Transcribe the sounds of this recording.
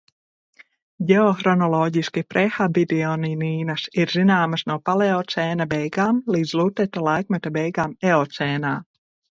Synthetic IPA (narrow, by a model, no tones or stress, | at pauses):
ɟɛɔxɾɔnɔlˠɔɟiskipɾɛxabid̪ɛɔniniːnasiɾzinaːmasnuɔpaleɔt̪sɛːnabɛjɡaːmlˠiːd̪zlˠuːt̪ɛt̪alˠajkmɛt̪abɛjɡaːmɛɔt̪sʲɛːnaː